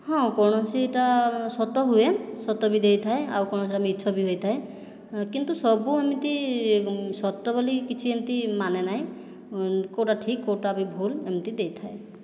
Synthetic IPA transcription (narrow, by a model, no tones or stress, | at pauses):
hɔ̃kɔɳɔsieʈasɔt̪ɔɦuesɔt̪ɔbid̪ejt̪ʰaea̰wkɔɳ̃ɔsiamit̪ːt͡ʃʰɔbiɦojt̪ʰae | kint̪usɔbuamit̪i | sɔt̪ːɔbɔlikit͡ʃʰiemt̪imanenaɦĩ | kowʈaʈʰikːowʈabibʱulemt̪id̪ejt̪ʰae